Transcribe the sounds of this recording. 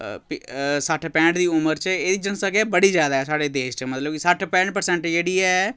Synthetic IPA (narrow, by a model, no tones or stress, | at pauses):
psaːʈʰpɛ̃ːɳʈd̪iːʊməɾt͡ʃeeːd̪id͡ʒənsakebəɽizjaːd̪aɦɛsaːɽed̪eːʃt͡ʃemɐt̪ləbkisaːʈʰpɛ̃ːʈ̚pəɾsɛ̃ɳʈeːɽiɛ